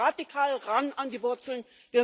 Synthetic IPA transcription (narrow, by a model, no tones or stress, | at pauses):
adikʰaːlʁanʔanɡəvʊɐt͡sl̩n | viːɐ